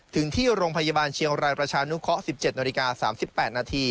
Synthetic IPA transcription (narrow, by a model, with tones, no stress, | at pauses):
t̪ʰɯ˩˦ŋt̪ʰiː˥˩ɾoː˧ŋpʰa˧jaː˧baː˧nt͡ɕʰi˧əŋɾaː˧jpɾa˧t͡ɕʰaː˧nu˦˥kʰɔ˦˥si˨˩p̚t͡ɕe˨˩t̪̚naː˧li˧kaː˧sa̰ː˩˦msi˨˩pːɛː˨˩t̪̚naː˧t̪ʰiː˧